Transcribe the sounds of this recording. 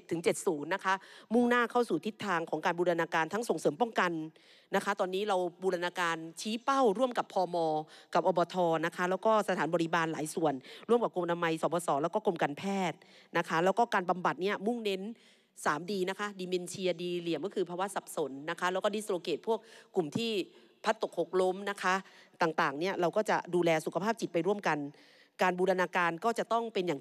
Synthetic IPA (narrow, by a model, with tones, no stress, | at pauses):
tt̪ʰːɯ˨˩˦ŋt͡ɕe˨˩t̪̚suː˩˦nːa˦˥kʰa˦˥mu˥˩ŋnaː˥˩kʰa˥˩wsuː˨˩t̪ʰi˦˥t̪ʰːaː˧ŋkʰɔː˩˦ŋkaː˧nbuː˧ɾa˧naː˧kaː˧nt̪ʰa˦˥ŋso˨˩ŋsɤː˩˦mpɔː˥˩ŋka˧nː | a˦˥kʰa˦˥t̪ɔː˧nːiː˦˥ɾa˧wbuː˧ɾa˧naː˧kaː˧nt͡ɕʰiː˦˥pa˥˩wɾu˥˩əmka˨˩pʰɔː˧mɔː˧ka˨˩p̚ʔɔː˧bɔː˧t̪ʰɔː˧na˦˥kʰa˦˥lɛː˦˥wkɔː˥˩sa˧t̪ʰaː˩˦nbɔː˧ɾi˦˥baː˧nlaː˩˦jsu˨˩ənɾu˥˩mka˨˩p̚ko˧mʔa˧na˧ma˧jsɔː˩˦bɔː˧sɔː˩˦lɛː˦˥wkɔː˥˩ko˧mka˧npʰɛː˥˩t̪̚ | na˦˥kʰa˦˥lɛː˦˥wkɔː˥˩kaː˧nba˧mba˨˩t̪̚ni˥˩ɐmu˥˩ŋne˦˥n | saː˩˦mdiː˧na˦˥kʰa˦˥diː˧me˧nt͡ɕʰi˧ɐdiː˧li˨˩˦əmkɔː˥˩kʰɯː˧pʰaː˧wa˦˥sa˨˩p̚so˩˦nːa˦˥kʰa˦˥lɛː˦˥wkɔ˥˩di˦˥sɾoː˧keː˨˩t̪̚pʰu˥˩ək̚ːu˨˩mt̪ʰiː˥˩ | pʰa˦˥t̪ːo˨˩k̚ʰːo˨˩k̚lo˦˥mna˦˥kʰa˦˥t̪aː˨˩ŋt̪aː˨˩ŋni˥˩ɐɾa˧wkɔː˥˩t͡ɕa˨˩duː˧lɛː˧su˨˩kʰa˧pʰaː˥˩p̚t͡ɕi˨˩t̪̚pa˧jɾu˥˩əmka˧n | kaː˧nbuː˧da˧naː˧kaː˧nkɔː˥˩t͡ɕa˨˩t̪ɔ˥˩ŋpe˧njaː˨˩